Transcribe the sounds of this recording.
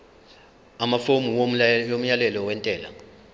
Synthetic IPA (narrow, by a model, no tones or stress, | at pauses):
amafomuwojom̩jalɛlɔwɛntʼɛːla̰